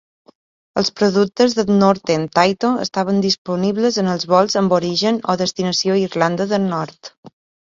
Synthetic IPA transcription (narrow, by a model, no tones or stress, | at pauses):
əlˠspɾoðuk̚t̪əzðənoɾt̪ent̪ajt̪oə̰st̪aβ̞ənd̪ispuniβləzənəlˠzβɔlˠzəmboɾiʒəno̰ðəst̪inəsioirland̪əðəlnɔɾt̪